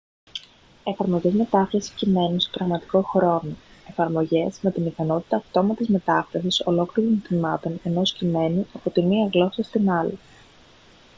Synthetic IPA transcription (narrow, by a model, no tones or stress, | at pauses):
e̞fɐɾmo̞ʝe̞zme̞t̪ɐfɾɐsi̥cime̞nusepɾɐɣmɐt̪i̥ko̞xɾo̞noe̞fɐɾmo̞ʝe̞zme̞t̪inikɐno̞t̪i̥t̪ɐːft̪o̞mɐt̪izme̞t̪ɐfɾɐsiso̞̰lo̞kliɾont̪imɐt̪o̞ne̞no̞scime̞nuɐpo̞t̪iniɐɣlo̞sɐst̪inɐli